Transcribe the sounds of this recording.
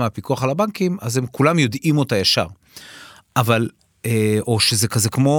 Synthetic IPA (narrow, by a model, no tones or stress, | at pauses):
meapikuaχalabaŋkimazhemkulamjo̞dimotajaʃa̰ʁ | ʔaval | oʃezekazekmo̞